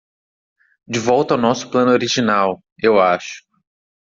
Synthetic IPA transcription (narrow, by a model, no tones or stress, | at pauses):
d͡ʒɪvɔwt̪ɐawnɔsʊ̥plɐ̃nʊoɾiʒinaw | ewaʃʊ̥